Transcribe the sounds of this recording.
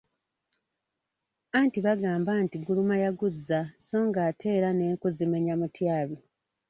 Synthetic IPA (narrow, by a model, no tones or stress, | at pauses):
antiβaɡaːmbantiɡulumajaɡuzːaso̞ːŋɡaːtʰe̞ːɾane̞ːŋkuzime̞ɲamutʰjaːβi